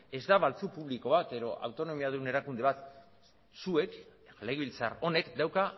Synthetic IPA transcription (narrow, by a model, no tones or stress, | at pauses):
e̞zd̪aβalt͡supuβliko̞βat̪e̞ɾo̞ʔa̰wt̪o̞no̞miaðune̞ɾakund̪e̞β̞at̪ | sue̞kleɣβilt͡sa̰ro̞ne̞kd̪awka